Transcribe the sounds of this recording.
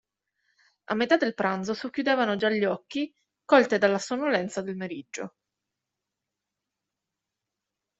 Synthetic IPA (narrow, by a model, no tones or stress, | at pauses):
a̰mːet̪ad̪elpɾand̪zosokːjud̪eːvanod͡ʒaʎːɔkːi | kɔlt̪ed̪alːasonolɛnt̪sad̪elmeɾid͡ʒːo̰